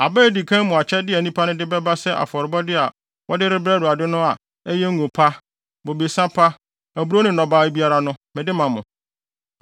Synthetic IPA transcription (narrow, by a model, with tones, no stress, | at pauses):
a˨bɛː˦˨di˨kʰã˦mʊ̃˨a˨t͡ɕʰɛ˦dɪ˦ɛ˨nĩ˦pʰa˦nʊ̃˦dɪ˦bɛ˦ba˦sɛ˦ʔa̰˨fɔ˨ɾɪ˨bɔ˦dɪ˦a˨ | wʔɔ˦dɪ˦ɾɪ˦bɾɛ˦dʊ˨a˨dɪ˦nʊ̃˦a˨ | ɛ˦jɛ˦ŋ̩˦ɡʊ̃˨pʰa˦ | bo˨be˨sã˦pʰa˦ | æ˨bu˦ɾo˦nɪ̃˦nɔ̃˨baː˦bi˦a˦ɾa˦nʊ̃˦mɪ̃˨dɪ˦mã˨mʊ̰̃˨